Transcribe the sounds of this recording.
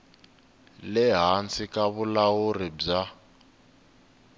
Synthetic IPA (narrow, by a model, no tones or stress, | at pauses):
lɛɦant͡sikaβulawurib͡ʐa